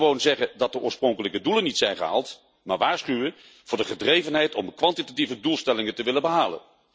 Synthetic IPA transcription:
ʋownzɛχəndɑt̚dəʔʊːɹsprɔŋkələkədulənitsɛjnχəɦa̰ːlˠt | ma̰ːɹʋaːɹsχyʋən | v̥ʊːɹdəχədrejvənɦɛjtɔmkʋɑntitativədulˠstɛlɪŋəntəʋɪlənbəɦaːlə̰n

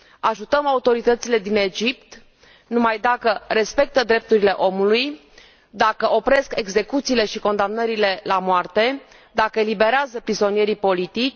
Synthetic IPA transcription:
aʒut̪əmaut̪o̞ɾit̪ət̪sile̞d̪ine̞d͡ʒipt̪ | numajd̪akəɾe̞spe̞k̚t̪əd̪ɾe̞p̚t̪uɾile̞ʔo̞muluj | d̪akəʔo̞pɾe̞ske̞ɡze̞kut̪siːle̞ʃiko̞nd̪amnəɾile̞lamoart̪e̞ | d̪akəelibe̞ɾeazəpɾizo̞nije̞ɾipo̞lit̪it͡ʃʲ

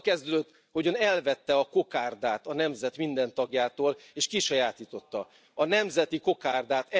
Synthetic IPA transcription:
kɛzd̪ød̪øt̪ː | ho̞ɟɒnɛlvɛt̪ːɛɒko̞kaːrd̪aːt̪ɒnɛmzɛt̪mind̪ɛnt̪ɒɡjaːt̪oːleːʃkiʃɒjaːt̪iːt̪o̞t̪ːɒ | ɒnɛmzɛt̪iko̞kaːrd̪aːt̪ɛ

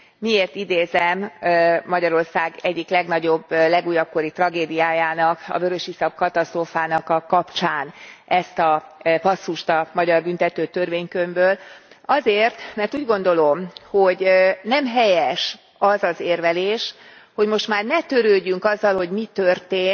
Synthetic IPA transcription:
mieːrt̪id̪eːzɛmː | ɒɟɒɾo̞rsaːɡɛɟːiklɛɡnɒɟo̞blɛɡuːjɒp̚ko̞ɾit̪rɒɡeːd̪ijaːjaːnɒkɒ̰bøɾøʃisɒb̚kɒt̪ɒst̪roːfaːnɒkɒkːɒpt͡ʃaːnʔɛst̪ɒpɒsːuʃt̪ɒmɒɟɒrbynt̪ɛt̪øːt̪ørveːɲkømbøːlɒzeːrt̪mɛrt̪uːɟɡo̞n̪d̪o̞lo̞mho̞ɟnɛmɦɛjɛʃ | ɒzɒzeːrvɛleːʃho̞ɟmo̞ʃt̪maːrnɛt̪ø̞ɾøːɟːyŋkɒzːɒlho̞ɟmit̪ørt̪eː

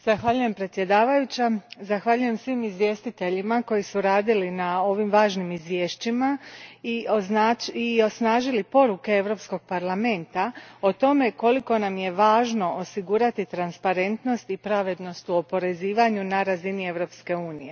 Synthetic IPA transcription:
z̥axʋaʎuje̞mpɾe̞t̪sʲje̞d̪aːʋajut͡ɕazaxʋaʎuje̞msʋimizʋje̞ːst̪it̪e̞ʎimako̞jisuɾaːd̪ilinao̞ʋimʋaːʒnimizʋje̞ːʃt͡ɕimaiaio̞snaːʒilipo̞ɾuke̞e̞ʋɾo̞psko̞ɡ̥̚paɾlame̞nt̪ao̞t̪o̞me̞ko̞liko̞namje̞ʋaːʒno̞ʔosiɡuɾat̪it̪ɾanspaɾe̞nt̪no̞st̪ipɾaʋe̞d̪no̞st̪uo̞po̞ɾe̞ziːʋaɲunaɾazinie̞ʋɾo̞pske̞uːnije̞

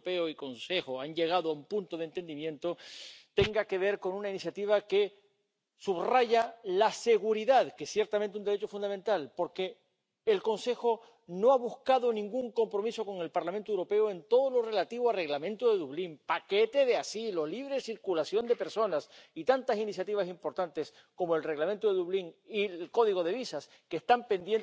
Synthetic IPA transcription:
peoiko̞nse̞xoanɟ͡ʝe̞ɣ̞aðoaumpunt̪oð̞ent̪e̞nd̪imjẽ̞nt̪o̞t̪e̞ŋɡake̞β̞e̞ɾko̞nunainisjat̪iβ̞ake̞ | suβraʝalase̞ɣuɾiðaðkesːje̞ɾt̪amẽnt̪eund̪eɾe̞t͡ʃofund̪ament̪alpo̞ɾke̞ː | lko̞nse̞xo̞ | no̞aβuskaðo̞nĩŋɡuŋko̞mpɾo̞miso̞ko̞ŋe̞lpaɾlamẽnt̪owɾo̞pe̞oe̞nt̪o̞ðo̞lo̞re̞lat̪iβoalre̞ɣlamẽnt̪oðe̞ðuβliŋpake̞t̪e̞ðeasilo̞liβ̞ɾesiɾkulasjo̞nd̪e̞pe̞ɾso̞nasit̪ant̪asinis̬jat̪iβ̞asimpo̞ɾt̪ant̪e̞s | ko̞moelre̞ɣlament̪oðeðuβliŋilko̞ðiɣo̞ðe̞βisas | keːst̪ampe̞nd̪jen

